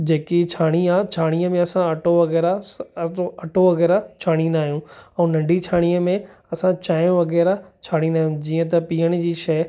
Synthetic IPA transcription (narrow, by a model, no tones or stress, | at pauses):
d͡ʑeːkit͡ɕʰaːɽ̃iat͡ɕʰaːɽ̃iəmẽɐsãɐʈoʋɐɣɛːɾa | ɐʈʰoʋɐɣɛːɾat͡ɕʰaːɽ̃inaːɦijũɛ̃ːnɐ̃ɳɖʱit͡ɕʰaːɽ̃ijəmẽɐsãt͡ɕaːijõʋɐɣɛːɾat͡ɕʰaːɽ̃inaːɦjũd͡ʑiːə̃t̪̬ɐpiːəɽ̃̆d͡ʑiːʃɐː